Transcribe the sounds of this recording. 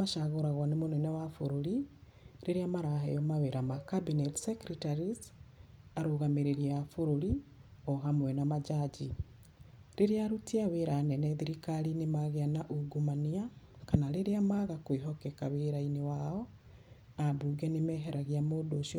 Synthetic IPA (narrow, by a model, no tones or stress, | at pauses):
aʃaɣoɾaɣwanemonɛnɛwafoɾoɾi | ɾeɾeamaɾaɦejɔmaweɾamakabinɛtsɛkɾitaɾiz | aɾoɣameɾeɾiafoɾoɾiɔɦamwɛnamad͡ʒad͡ʒi | ɾeɾeaɾutiaweːɾanɛnɛðiɾikaɾinemaɣeanaʔuɡumania | kanaɾeɾeamaɣakweɦɔkɛkaweɾainewaɔ | abuːɡɛnemɛːɦɛɾaɣiamoːdoʃ